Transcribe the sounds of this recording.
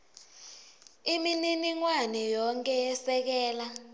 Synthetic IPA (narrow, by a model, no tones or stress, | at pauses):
imininiŋwanɛjɔŋkʼɛjɛsɛk̬ɛːla